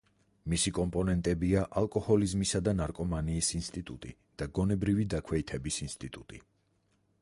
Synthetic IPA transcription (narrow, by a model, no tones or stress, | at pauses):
misikʼɔmpʼɔnɛnt̪ʼɛbiaʔalˠkʼɔhɔlizmisad̪anaɾkʼɔmaniːsinst̪ʼit̪ʼut̪ʼḭ | d̪̥aɡɔnɛbɾivid̪akʰwɛit̪ʰɛbisinst̪ʼit̪ʼut̪ʼḭ